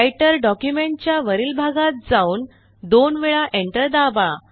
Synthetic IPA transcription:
jʈəɾɖɔkjumeɳt͡ɕjaʋəɾiːlbʱaɡat̪̚d͡zauːn | d̪onʋeɭaʔeɳʈəɾd̪aba

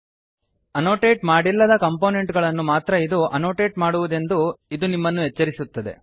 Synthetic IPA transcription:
ɐno̞ːʈeːʈmaːɽilːɐd̪ɐkɐmpo̞ːne̞ɳʈɡɐɭɐnːumaːt̪ɾɐid̪uʔɐno̞ːʈe̞ːʈmaːɽuʋud̪e̞nd̪uid̪unimːɐnːuɦet͡ʃːɐɾisut̪ːɐd̪e̞̰

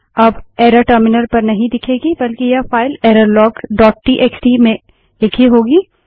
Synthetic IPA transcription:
ɐbeːɾaʈəɾmɪnəɾpɐɾnɐɦĩd̪ɪkʰeːɡibɐlkijafaːɪleːɾəɾlɔːkɖɔːʈ̚ʈiːʔeːksʈimẽ | lɪkʰiɦoːɡiː

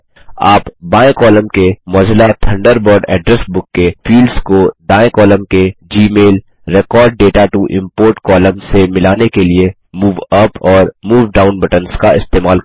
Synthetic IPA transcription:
aːpbaːẽkɔːlə̃mkemɔːd͡ʒlat̪ʰɐ̃ɳɖəɾbɔːɾɖɛ̰ːɖɾɛsbʊkːefiːlɖzkod̪aːẽkɔːləmked͡ʒiːmeːl | ɾɛkɔːɾɖ̚ːeːʈaʈuʔɪ̰̃mpoːɾʈkɔːlə̃mssemɪlaːnekelie | muːʋɐpɔːɾmuːʋɖaːʊ̃nbɐʈənskaɪst̪eːmaːl

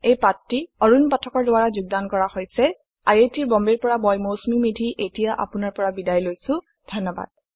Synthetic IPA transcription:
ejpatɹiɔɹunpatʰɔkɔɹdʊwaɹazuɡ̚dankɔɹahojsɛ | a̰jetiɹbɔmbeɹpɔɹamɔjmosmimidʱiʔetijaʔa̰pʊnaɹpɔɹabidajlojsʊ̃ | dʱɔnːɔba̰d̥̚

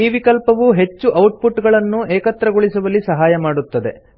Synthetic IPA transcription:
iːʋikɐlpɐʋuɦe̞t͡ʃːuʔɐwʈ̚pʰuʈːɡɐɭɐnːuɛːkɐt̪ɾɐɡoɭisɐʋɐlːisɐɦaːjɐmaːɽut̪ːɐd̪e̞̰

